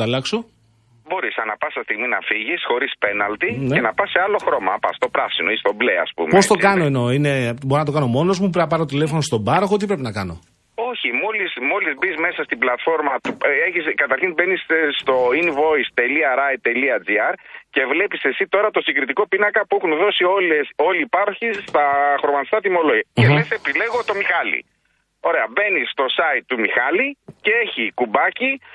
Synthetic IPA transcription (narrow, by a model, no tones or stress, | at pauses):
ɐlɐksu | bo̞ɾisɐnɐpɐsɐst̪iɣminɐfiʝisxo̞ɾispe̞nɐlt̪inenɐpɐse̞ɐlo̞xɾo̞mɐpɐ̰st̪o̞pɾɐsinoist̪o̞blḛɐ̰spṵmepost̪o̞kɐno̞eno̞ine̞boɾinɐt̪o̞kɐno̞mo̞no̞zmupɐpɐɾot̪ile̞fo̞nost̪o̞bɐɾoxot̪̬ipɾe̞p̬inɐkɐno̞̰ | o̞çimo̞lismo̞lizbizme̞sɐst̪iblɐt̪fo̞ɾmɐt̪ueçiskɐt̪ɐɾçinbe̞nisst̪o̞inivo̞ist̪e̞liɐɾɐjt̪e̞liɐd͡ziɐɾce̞vle̞pise̞sit̪o̞ɾɐt̪o̞siɡɾit̪iko̞pinɐkɐpuexunðo̞sioleo̞liːpɐɾoçist̪ɐxoɾmɐnt̪st̪ɐt̪imo̞loʝiceðese̞pile̞ɣo̞t̪o̞mixɐlḭ | o̞ɾe̞ɐbe̞nisːt̪o̞sɐit̪ːumixɐlicee̞çikubɐci